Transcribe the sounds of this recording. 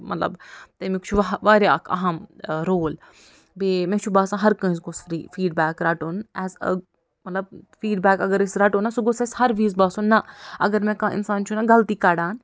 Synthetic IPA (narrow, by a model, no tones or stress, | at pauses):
mɐ̰t̪lɐ̰bt̪emikt͡ʃʰuʋaʋaːɾeɐkʰɐ̰ɦɐmɾoːl | bemẽt͡ʃʰubaːsãːɦɐɾkɐ̃ĩsɡʊsfɾḭːfiːɖbɛːkɾaːʈoːnɛːzə̰ | mɐt̪lɐb̚fiːɖbɛːkɐɡəɾɪsɾaːʈoːnɐsuɡʊseshɐɾʋiːzbaːsunːɐɐɡəɾmẽkãːʔɪ̰nsaːnt͡ʃʰunɐɡɐlt̪iːkaːɽaːn